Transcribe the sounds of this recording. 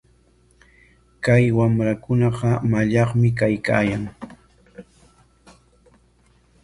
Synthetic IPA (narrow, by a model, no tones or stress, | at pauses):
kajwamɾakʊnɑɢɑmaʎɑχmɪk̬ajka̰ːjaŋ